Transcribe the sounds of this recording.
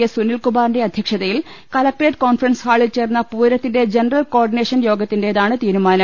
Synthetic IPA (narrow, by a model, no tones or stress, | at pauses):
jɐsunilkubaːɾnde̞ɐd̪ʱjɐkʂɐðɐjil | kɐlɐk̚ʈreːʈko̞ːnfrɐnshaːɭilt͡ɕe̞ːrnːɐpuːɾɐt̪ːinde̞d͡ʑenɐrɐlko̞ːrɖineːʂɐnjo̞ːɡɐt̪ːinde̞ɐðaːɳɨt̪iːɾumaːnɐ